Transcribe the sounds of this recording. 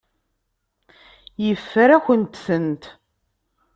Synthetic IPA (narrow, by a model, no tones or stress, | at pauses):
jəfːəɾæçənt̪sənt̪